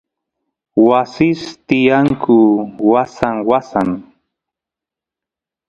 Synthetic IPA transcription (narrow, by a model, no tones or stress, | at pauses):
wasɪst̪ɪjaŋkʰʊwasaŋwasaŋ